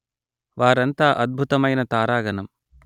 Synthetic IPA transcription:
ʋaːɾɐnt̪aːʔɐd̪̚bʱut̪ɐmɐjnɐt̪aːɾaːɡɐnɐm

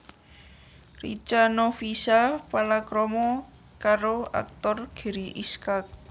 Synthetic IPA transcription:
rḭt͡ʃanofisapalakɾɔmɔ | kaɾoa̰k̚t̪ɔrɡ̥i̤ɾiʔiskak̚

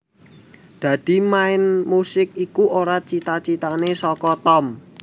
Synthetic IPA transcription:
d̪̥ä̤d̪̥i̤maɪnmusɪk̚ikuoɾat͡ʃit̪at͡ʃit̪anesɔkɔt̪ɔm

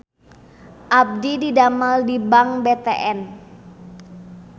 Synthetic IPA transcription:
ʔab̚dididamaldibaŋbet̪eʔɛn

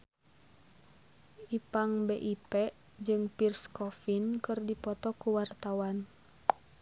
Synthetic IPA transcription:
ipaŋbeʔipɛ | d͡ʒɨŋpirskɔfinkɨrdipɔt̪ɔkuwart̪awan

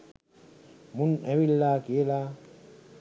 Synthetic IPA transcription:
munewilːaːkielaː

